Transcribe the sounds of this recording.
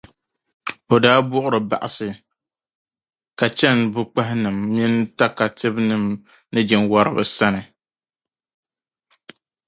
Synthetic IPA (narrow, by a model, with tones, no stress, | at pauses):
o˨daː˦bʊ˦ʔʊ˦ɾɨ˨ba̰˨ʔa˨sɨ˨ | ka˨t͡ʃɛ˦nbʊ˦k͡pa˦ɦɪ˦nɨ˨mːi˦nta˦ka˨tɨ˦bnɨ˨m | nɨ˦d͡ʒɛ˨nwa˦ɾɨ̰˦bɨ̰˨sa˦nɨ˨